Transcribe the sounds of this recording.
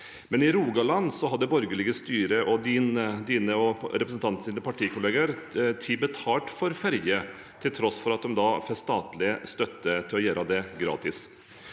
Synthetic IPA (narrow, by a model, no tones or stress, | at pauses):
mɛnɪɾuːɡɑlɑnsɔɦɑd̪ːəbɔɾɡəɭɪɡəst̪yːɾəʔɔd̪ind̪iːnəɔɾɛpɾəsn̩t̪ʰɑnt̪siːnəpʰɑʈʰiːkʰʊleːɡəɾt̪ʰɪbət̪ʰɑːʈfɔɾfæɾjə | t̪ʰɪlt̪ʰɾɔsfɔɾɑt̪̚d̪ɔmd̪ɑːfɛst̪ɑːt̪lɪəst̪œt̪ːət̪ʰɪlɔjøːɾʔɑd̪ɛɡɾɑ̰ːt̪ɪs